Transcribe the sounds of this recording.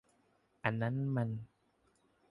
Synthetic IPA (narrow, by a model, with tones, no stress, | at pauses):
ʔa˧nːa˦˥nma˧n